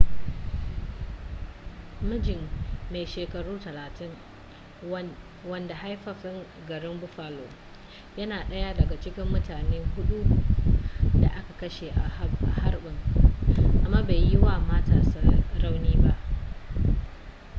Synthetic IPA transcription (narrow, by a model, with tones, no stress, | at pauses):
mɐ˦d͡ʒɪ˨mːe˨jʃeː˨kɐ˨ɽuː˦tɐ˨laː˨tɪ˦ŋ | wɐ˦nda˨ha˦jɸɐ˨ɸɪ˦ŋ | ɡɐ˨ɾɪ˦mbʊ˦ɸaː˨lo̰ː˨ | jɐ˦naː˨ɗɐ˦ja˦dɐ˨ɡa˨t͡ʃɪ˦kʲɪ˦mːʊ˦taː˨neː˦hʊ˦ɗu˦ | da˨ʔa˦ka˨kɐ˦ʃe˨ʔa˨˦ʔa˨ha˦rɓɪ˦ŋ | ʔa˨mːaː˦beː˨jjɪ˦waː˦˨maː˦taː˦sa˦ɾa˦wniː˦ba˦ʔ